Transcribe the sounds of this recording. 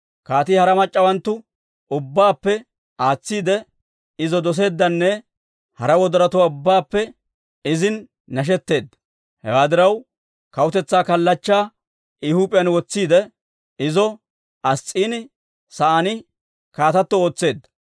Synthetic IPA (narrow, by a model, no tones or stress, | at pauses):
kaːt̪iːhɐɾɐmɐt͡ʃʼːɐwɐnt̪ːʊ | ʊbːaːpːɛ | aːt͡sːiːd̪ɛ | ɪzɔd̪ɔs̬e̞ːd̪ːɐnːɛ | hɐɾɐwɔd̪ɔɾɐt̪ʊwaːʊbːaːpːɛ | ɪzɪnː | ɐʃ̬ɛt̪ːe̞ːd̪ːɐ̥ | hɛ̰waːd̪ɪɾɐw | kɐwʊt̪ɛt͡sːaːkɐlːɐt͡ʃːaː | ɪhuːpʼɪjɐnwɔt͡sːiːd̪ɛ | ɪzɔ | ʔɐst͡sʼːiːnɪ | sɐanɪ | kaːt̪ɐt̪ːɔo̞ːt͡sːe̞ːd̪ːɐ̥